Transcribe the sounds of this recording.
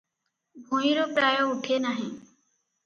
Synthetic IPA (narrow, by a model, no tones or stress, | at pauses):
bʱõːĩːɾoːpɾaːjoːʊʈʰeːnaːɦẽː